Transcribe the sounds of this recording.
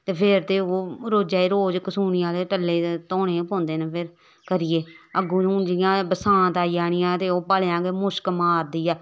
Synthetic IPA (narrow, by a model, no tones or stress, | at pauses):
t̪eːpʰɪɾt̪eːoːɾoːd͡ʒaːiːɾoːd͡ʒkəsuːniːãːleːʈəlːeːt̪oːɽẽːpõːnd̪eːnəpʰɪɾ | kəɾɪːeːəɡũːnũːd͡ʒɪjãːbəsãːt̪aːiːaːɽ̃ɪjãːt̪eːoːpaːleãːɡemʊʃkmaːɾd̪iːɛː